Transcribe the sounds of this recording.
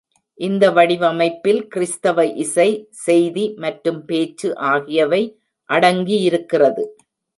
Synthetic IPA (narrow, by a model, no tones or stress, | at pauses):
ʔɪnd̪ɐʋɐɽɪʋɐmɐɪpːɪlkɪɾɪst̪ɐʋɐʔɪsɐɪsɛjðimɐʈɾɯmpeːt͡ʃːɯʔaːɣɪjɐʋɐɪ | ʔɐɽɐŋɡijɪɾɯkːɪrɐðɯ